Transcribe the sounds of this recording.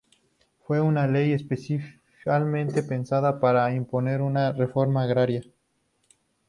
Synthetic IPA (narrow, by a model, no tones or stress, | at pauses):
fwe̞unale̞je̞spesif | kalmẽ̞nt̪e̞pe̞nsaðapaɾaimpo̞ne̞ɾunare̞fo̞ɾmaːɣɾaɾja